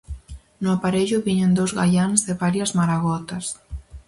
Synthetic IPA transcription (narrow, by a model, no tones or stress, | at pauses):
nʊapaɾeʎʊβiɲend̪owzɣaʎanzðeβaɾjɐzmaɾaɣɔt̪ɐs